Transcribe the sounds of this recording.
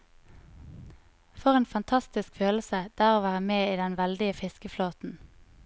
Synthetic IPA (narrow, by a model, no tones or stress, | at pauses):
fɔʁeːnfɑnt̪ʰɑst̪ɪskføːləsəd̪̥æːʁoːʋæːʁəmeːiːd̪ɛnʋɛld̪ɪəfɪskəfloːt̪n̩